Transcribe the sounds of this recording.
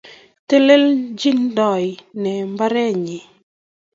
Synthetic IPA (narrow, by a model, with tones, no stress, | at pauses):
te˦le˦ld͡ʒi˦ndɔ˨jnɛ˨mba˦ɾɛ˦ɲi˨